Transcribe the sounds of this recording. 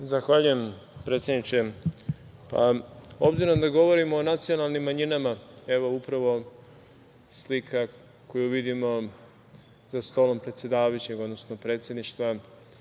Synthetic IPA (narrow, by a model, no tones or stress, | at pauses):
zaxʋaʎuje̞m | pɾe̞ːt̪sʲjed̪nit͡ʃe | pa̰o̞bziɾo̞md̪aɡo̞ʋo̞ɾimoːnat̪sio̞nalˠnimːaɲinamae̞ʋo̞upɾaʋo̞ | slikʰa | ko̞juʋid̪imo̞ | z̥ast̪o̞lo̞mpɾe̞t̪sʲe̞d̪aːʋajut͡ɕe̞ɡo̞d̪no̞snopɾe̞ːt̪sjed̪niʃt̪ʋa